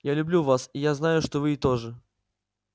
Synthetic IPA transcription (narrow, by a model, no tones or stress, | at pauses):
jalʲʊblʲuvasijaznajʊʂt̪ovɨɪt̪oʐɨ